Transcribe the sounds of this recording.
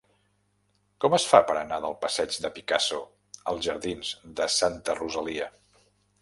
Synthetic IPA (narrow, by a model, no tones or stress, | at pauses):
kɔməsfapəɾənaðəlˠpəsɛd͡ʒd̪əpikaso | ə̰lˠzʒəɾðinz̥ðəsant̪əruzəliə